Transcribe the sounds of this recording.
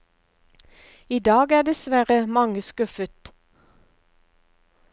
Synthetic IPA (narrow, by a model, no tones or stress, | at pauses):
iːd̪ɑːɡæːd̪ɛsʋæʁəmɑŋəskʉfət̪